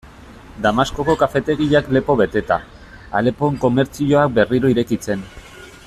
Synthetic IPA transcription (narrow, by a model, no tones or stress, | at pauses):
d̪amasko̞ko̞kafe̞t̪e̞ɣiʎakle̞po̞βe̞t̪e̞t̪a̰ | a̰le̞po̞ŋko̞me̞ɾt͡sio̞ak̚be̞riɾo̞iɾe̞kit͡se̞n